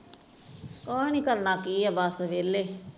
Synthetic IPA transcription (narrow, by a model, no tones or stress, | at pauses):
kɔːnikəlnaːkiːabaːsəʋeːlːe